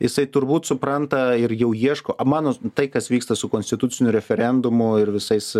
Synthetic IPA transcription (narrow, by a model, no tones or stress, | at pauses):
jɪsɐɪt̪ʊɾbuːt̪sʊpɾɐnt̪ɐɪɾjɛʊjiɛʃkoːʔɐmɑːnoːt̪ɐɪkɐsʋʲiːkst̪ɐsʊkoːnʲsʲt̪ʲɪt̪ʊt͡s̪ʲɪnʲʊɾʲɛfʲɛɾʲɛnd̪ʊmʊɪɾʋʲɪsɐɪs